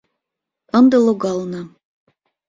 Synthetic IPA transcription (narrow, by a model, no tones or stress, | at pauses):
ə̆nd̪ɤ̆lˠoɣɑlnɤ̆